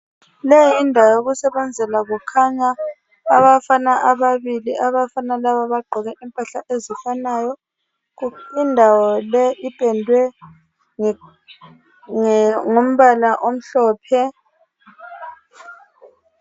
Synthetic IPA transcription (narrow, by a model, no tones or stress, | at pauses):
lɛjindʱawjoɣusɛβɛnd͡zʱɛlaɣukʰaɲaː | βafanaʔaβaβiliʔaβafanalaβaβaɡ͡ǃʱɔɣɛʔimpʼaɬaʔezifanajɔ | indʱawɔlɛʔipʼɛndʱwɛ | ŋom̩βalaʔom̩ɬɔːpʰɛ